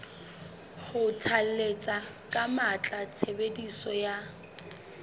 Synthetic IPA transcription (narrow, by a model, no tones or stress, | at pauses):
χʊt͡sʰalet͡sʼa | kʼamat͡ɬʼat͡sʰebedisɔja